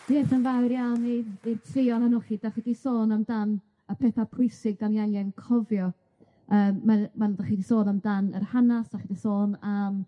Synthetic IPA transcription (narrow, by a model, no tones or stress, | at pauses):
d̥eːθənvawɾjalniirtʰrɪɔnanuχidaχidisoːnamdan | əpʰɛθapʰʊɨsɪɡ̚danjanjɛnkʰɔvjɔ | əːmːamandaχidisoːnamdanə̰rhanasd̥aχidisoːnam